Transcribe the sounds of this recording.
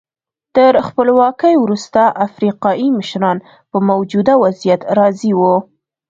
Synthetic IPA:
t̪əɾxpəlwɑkəjwɾust̪aʔafɾiqɑiməʃɾɑn | pəmawd͡ʒud̪awazijat̪ɾɑziwu

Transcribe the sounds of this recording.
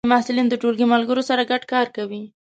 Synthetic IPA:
mahsɪlind̪əʈolɡimalɡəɾosaɾaɡaɖkɑɾkawi

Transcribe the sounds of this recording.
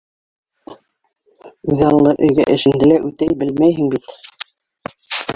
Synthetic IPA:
ʉðɑlˠːɤʔɘ̆ɵ̆jɡæʔɘ̆ʃɘ̆nd̪ɘlæʔʉt̪æjbɘlmæjɦɘŋbit̪

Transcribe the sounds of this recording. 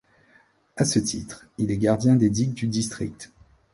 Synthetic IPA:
asət̪ʰit̪χ | ilɛɡaʁd̪jɛ̃d̪ed̪iɡ̚d̪yd̪ist̪χḭk̚t̪

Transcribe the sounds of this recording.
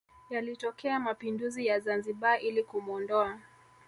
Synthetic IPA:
jalitɔkʰɛamapinduzijazanziɓaʔilikumuɔndɔa

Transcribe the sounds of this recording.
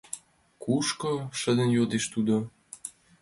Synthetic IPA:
kuʃkoʃə̆d̪ə̆njot̪eʃt̪ud̪o

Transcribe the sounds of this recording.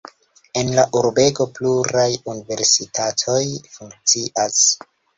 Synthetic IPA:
e̞nlaʔuɾbe̞ɡo̞pluɾajunive̞ɾsitatʰo̞jfuŋk̚t͡siʔas

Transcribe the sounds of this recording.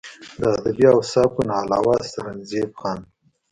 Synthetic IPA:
d̪əːd̪abiawsɑːkunɑlɑːwɑst̪aɾanzebxɑːn

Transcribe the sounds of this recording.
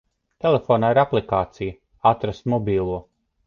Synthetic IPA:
t̪elefoːnaːiɾaplˠikaːt̪sijə | at̪ɾasmɔbʲiːlˠuɔ

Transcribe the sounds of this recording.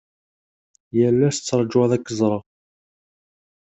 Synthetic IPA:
jəlːæsət͡sːəɾˤd͡ʒwæðækːəzˤɾˤɑ

